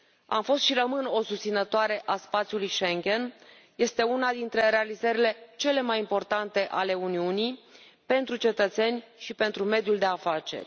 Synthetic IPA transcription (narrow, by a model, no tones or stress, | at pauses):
a̰mfo̞st̪ʃirəmɨno̞sust̪sinət̪oaɾe̞ʔaspat̪sʲjulujʃe̞ŋɡʲe̞n | je̞st̪e̞unad̪int̪ɾe̞ɾe̞alizəɾile̞t͡ʃe̞le̞majimpo̞rt̪ant̪e̞ʔale̞uniunij | pe̞nt̪ɾut͡ʃe̞t̪ət̪se̞nʲʃipe̞nt̪ɾume̞d̪juld̪e̞afat͡ʃe̞̰rʲ